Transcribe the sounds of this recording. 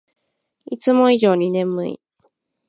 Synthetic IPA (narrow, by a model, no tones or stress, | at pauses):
it͡sɨmo̞iʑo̞ːɲ̟inẽ̞mɯ̟̰ḭ